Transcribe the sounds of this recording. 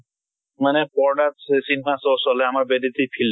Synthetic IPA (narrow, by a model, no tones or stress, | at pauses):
manepɔɾɖassinmãsɔsɔleamaɾbedit̪ipʰil